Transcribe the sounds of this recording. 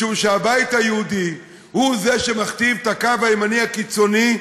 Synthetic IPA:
uvʃeabajithajeudi | huze̞ʃe̞maχtivtakavaemaniakit͡so̞ni

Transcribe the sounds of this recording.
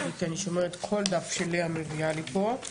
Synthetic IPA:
kianiʃo̞meʁet̪kʰo̞ld̪afʃeliamevialipo̞

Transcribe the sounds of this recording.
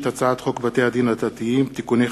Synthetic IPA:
t̪at͡saat̪χokvat̪ead̪inad̪at̪iimt̪ikune

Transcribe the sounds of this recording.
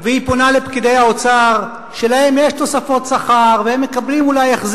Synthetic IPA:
veipo̞nalepkid̪e̞jhao̞t͡saʁ | ʃe̞lahe̞mjeʃt̪o̞safo̞t̪saχaʁvehe̞mːe̞kablimulajeχz

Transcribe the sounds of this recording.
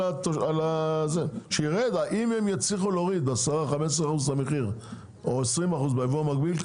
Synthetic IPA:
at̪oalazeʃeiʁed̪aʔimhemjat͡sliχuloʁid̪asaʁaχames̬ʁeaχuzlameχiʁ | oesʁimaχuzbeevuamaɡbil

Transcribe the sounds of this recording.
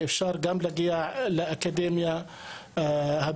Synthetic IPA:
ʔɪfʃɑːɾˤɡamlaɡɪjaʕlɪʔakad̪eːmja | hab̪

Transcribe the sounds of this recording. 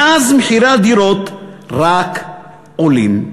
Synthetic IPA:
azmeħiɾad̪iɾot̪ɾak | ʔolḭm

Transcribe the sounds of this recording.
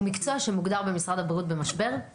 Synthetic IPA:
mikt͡soaʃe̞muɡd̪aʁbe̞misʁad̪habʁiut̪̚be̞maʃbe̞ʁ

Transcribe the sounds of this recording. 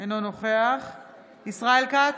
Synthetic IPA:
enonoχe̞aχ | isʁaelka

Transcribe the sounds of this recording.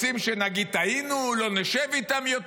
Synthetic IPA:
simʃenaɡid̚t̪ainulo̞neʃevit̪amjot

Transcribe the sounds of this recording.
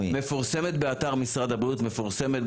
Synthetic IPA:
mefuʁse̞met̪beat̪aʁmisʁad̪abʁiut̪me̞fuʁse̞met̪

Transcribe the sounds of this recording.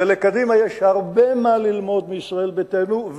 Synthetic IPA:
elekad̪imajeʃhaʁbemalilmo̞d̪meisʁae̞lbet̪enuv

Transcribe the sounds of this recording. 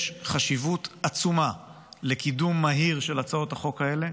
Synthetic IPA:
ʃχaʃivutat͡suma | lekidumːaɦiʁʃelat͡sao̞thaχo̞kaele̞

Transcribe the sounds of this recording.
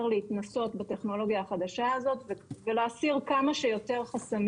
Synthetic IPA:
ʁleit̪naso̞tbat̪e̞χno̞lo̞ɡjaːχad̪aʃaazo̞tveveleːsiʁkamaʃejo̞te̞ʁχasam

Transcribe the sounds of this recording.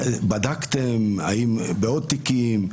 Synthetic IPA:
bad̪akt̪ema̰imbeod̪̚t̪ikim

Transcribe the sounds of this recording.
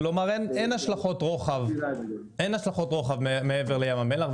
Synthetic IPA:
lomaʁenenhaʃlaχo̞tʁo̞χav | enaʃlaχo̞tʁo̞χavmmeeveʁlejamamelaχv

